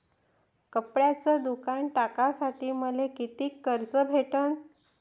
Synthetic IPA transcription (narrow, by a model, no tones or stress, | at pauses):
kəpɽjat͡səd̪ukaɳʈakasaʈiːməlekit̪iːkːəɾt͡səbʱeʈən